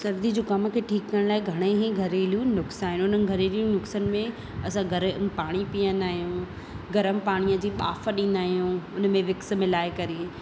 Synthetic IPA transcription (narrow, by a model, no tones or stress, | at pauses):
sɐɾd̪id͡ʑoːkɐm̆kʰeːʈʰiːkːɐɾəɽ̃laːɪɡʱɐɽ̃eɦĩɡʱɐɾeːlijũnʊksaːɦɪ̃nʊn̤ənɪ̆ɡʱɐɾeːlijũnʊksənɪ̆mẽ | ɐsãɡʱɐɾəmpaːɽ̃ipijə̃nd̪aːɦijũ | ɡɐɾəmpaːɽ̃ijəd͡ʑiːɓa̰ːfəɗĩːn̆d̪aːɦijũːʊnə̆mẽʋɪks̆mɪlaːekɐɾi